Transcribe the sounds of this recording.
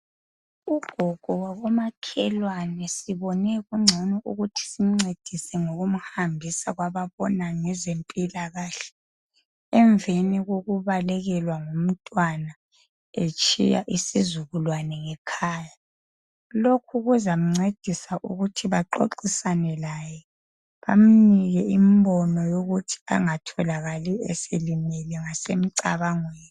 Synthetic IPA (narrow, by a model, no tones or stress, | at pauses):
uɡ̥ʱɔɡ̥ʱɔwaβɔmakʰɛlwanɛsiβɔnɛɣuŋ͡ǀʱɔnɔuɣutʰi̥sim̩ŋ͡ǀed̥ʱisɛŋoɣum̩hambʱisaɣwaβaβɔnaŋɛzempʼilaɣaːɬɛ̥ | ɛɱveniɣoɣuβalɛɣɛlwaŋom̩tʼwana | et͡ʃʼḭja̰ʔisizuɣulwanɛŋɛkʰaːja | lokʰuɣuzam̩ŋ͡ǀed̥ʱisaʔṵɣutʰiβaǃo̰ǃisanɛlajɛ | βa̰m̩niɣɛimbɔnɔjoɣutʰi̥a̰ŋatʰɔlaɣaliɛ̰selimɛlɛŋasem̩ǀaβaŋweːni